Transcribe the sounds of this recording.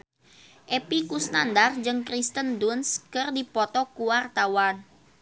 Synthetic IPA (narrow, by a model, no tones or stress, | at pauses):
ʔepikusnandard͡ʒɨŋkɾist̪əndunskərdipɔt̪ɔkuwart̪awan